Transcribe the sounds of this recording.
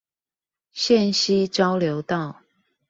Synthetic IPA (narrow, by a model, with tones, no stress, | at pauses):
ɕjɛ˥˨nɕi˦t͡ɕɑ˦ʊljo˨˧˦ʊt̪ɑ˥˨ʊ